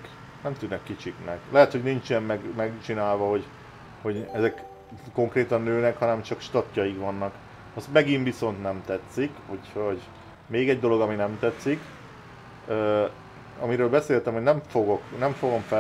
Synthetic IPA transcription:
nɛmt̪yd̪nːɛkːit͡ʃiknɛɡlɛɦɛt̪ho̞ɟnint͡ʃɛmːɛɡmɛɡt͡ʃinaːlvɒho̞ɟ | ho̞ɟɛzɛk | ko̞ŋkreːt̪ɒnːøːnɛkhɒnɛmt͡ʃɒkʃt̪ɒt̪ːɒjikʋɒnːɒk | ɒst̪mɛɡiɱviso̞nt̪nɛmt̪ɛt̪sːikhucho̞ɟ | meːɡɛɟd̪o̞lo̞ɡɒminɛmt̪ɛt̪sik | øː | ɒmiɾøːlbɛseːlt̪ɛmho̞nɛɱfoɡo̞knɛɱfo̞ɡo̞ɱfɛ

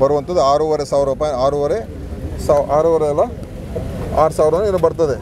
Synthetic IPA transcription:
bɐɾuʋɐnt̪ɐd̪uaːɾuʋɐɾesaːʋɾɐpaaːɾuʋɐɾe | saːaːɾuʋɐɾeːlːɐ | aːɾusaːʋɾɐnːnɐbɐɾt̪ɐd̪e

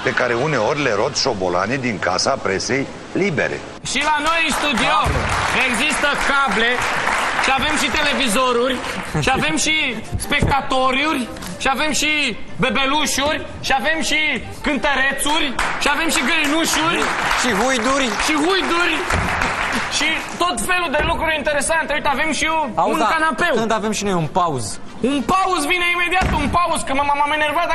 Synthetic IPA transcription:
pe̞kaɾeune̞o̞rʲleɾo̞t̪ʃo̞bo̰la̰ned̪iŋka̰sapɾe̞se̞j | libe̞̰ɾḛ | ʃilano̞jɨst̪ud̪ioeɡzist̪əkable̞ʃiave̞mʃit̪e̞le̞vizo̞ɾurʲʃiave̞mʃi | spe̞k̚t̪at̪o̞ɾurʲ | ʃiave̞mʃibe̞beluʃurʲ | ʃiave̞mʃi | kɨnt̪əɾe̞t̪surʲʃiave̞mʃiɡəɾnuʃurʲʃiɦujd̪uɾʲʃiɦujd̪uɾʲ | ʃit̪o̞t̪fe̞lud̪elukɾuɾʲint̪eɾe̞sant̪eoit̪eave̞mʃiaunkanapewɨnt̪avemʃinojunpauz | unpauzvine̞ime̞d̪iat̪unpauzkəmamamamenervat̪

